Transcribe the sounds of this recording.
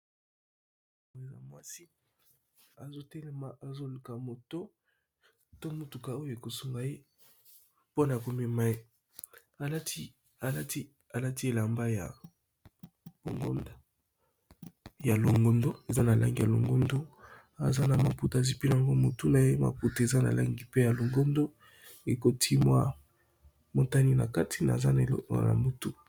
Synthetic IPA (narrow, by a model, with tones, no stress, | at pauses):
mo˨e˨la̰˨mwa˦si˦ | a˨zo˦tɛ˦lɛ˦ma˨ʔa˨zo˦li˨ka˨mo˨to˦ | to˦mo˨tu˨ka˨o˦jo˦˨e˨ko˨su˨ŋɡa˨je˦ | po˦na˨ko˨me˨ma˦e˦ | a˨la˦ti˦ | a˨la˦ti˦ | a˨la˦ti˦e˨la˨mba˦ja̰˨ | bo̰˨ŋɡo̰˦nda˦ | ja˨lo˨ŋɡo˦ndo˦e˨za˦na˨lʔa˦ŋɡi˦˨ja˨lo̰˨ŋɡo˦ndo˦ | a̰˨za˦na˨ma˨pu˨ta˨zi˦pi˦n˨a˨ŋɡo˦mo˨tu˦na˨je˦ma̰˨pu˨tu˨e˨za˦na̰˨la̰˦ŋɡi˦pe˦ja˨lo˨ŋɡo˦ndo˦ | e˨ko˦tʰi˦mwa˦ | mo˨ta˦ni˦na̰˨ka˦tʰi˨na̰˨za˦n̰˨˦a̰˨la̰˨mbu˦tu˦